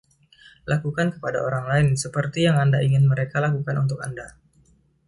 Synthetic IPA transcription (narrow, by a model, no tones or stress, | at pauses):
lakukankə̥pada̰ʔoɾaŋlaɪnsəpərt̪ijaŋandaiŋɪnməɾekalakukanṵnt̪ʊkanda